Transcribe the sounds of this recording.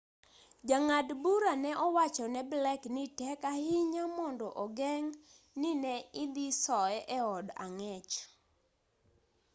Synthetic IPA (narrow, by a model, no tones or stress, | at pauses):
d͡ʒaŋadbuɾanɛʔɔwat͡ʃɔnɛblɛknɪtɛkahɪɲamɔndɔʔɔɡɛŋ | nɪnɛɪd̪ɪsɔɛʔɛɔda̰ŋɛt͡ʃ